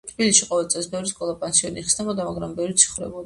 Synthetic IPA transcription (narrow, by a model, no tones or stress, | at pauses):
t̪ʰbilisʃiqʼɔvɛlˠt̪sʼɛsbɛvɾiskʼɔlˠapʼansiɔniχsnɛbɔd̪amaɡɾambɛvɾit̪sʰi̥χvɾɛ̰bɔd̪